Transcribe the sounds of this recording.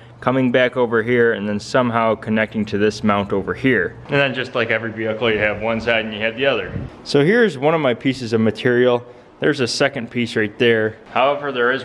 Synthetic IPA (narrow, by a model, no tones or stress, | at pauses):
kʰʌmɪ̃ŋbækoʊvə˞ɦiɹɨ̃nðɨ̃nsʌ̃mɦaʊkʰɨnɛk̚tɪ̃ŋtʰɨðɪsmãʊ̃ntoʊvə˞hiɹ | ɨ̃nðɨ̃nd͡ʒʌstˡlaɪkɛvɹiviɨkl̩ˠjɨːvwʌ̃nsaɪɾ̃n̩jɨɨvðiʌðə˞soʊhiɹɨzwʌ̃ñʌvmaɪpʰisɨzʌvmɨtʰɪɹil̩ˠ | ðə˞zɨsɛkɨ̃npʰisɹaɪt̪̚ðə˞ | haʊɛvə˞ðə˞ɪz